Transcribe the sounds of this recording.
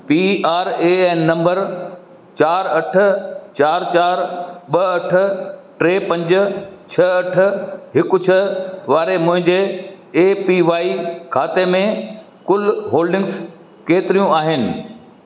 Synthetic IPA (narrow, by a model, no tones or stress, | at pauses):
piːaːɾeːɛ̃ːnːɐ̃mbəɾ | t͡ɕaːɾɐʈʰʊ̆t͡ɕaːɾt͡ɕaːɾɓɐɐʈʰʊ̆ʈɾeːpɐ̃ɲd͡ʑʊ̆t͡ɕʰɐɐʈʰʊ̆ɦɪkʊt͡ɕʰəʋaːɾemʊ̃ɦɪ̃ɲd͡ʑeː | piʋaːikʰaːt̪emẽ | kʊlɦoːlɖɪ̃ŋɡs | keːt̪ɪɾijũaːɦɪnɪ̆